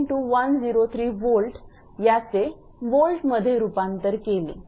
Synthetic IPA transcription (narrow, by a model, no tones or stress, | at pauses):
ʈuːʋənd͡ziɾot̪ʰɾiːʋolʈ | jat͡se | ʋolʈməd̪ʱːjeɾupãnt̪əɾkelḭː